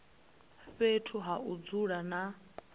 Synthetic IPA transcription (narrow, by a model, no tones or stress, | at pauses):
ɸetʰuɦaʔud͡zuɺana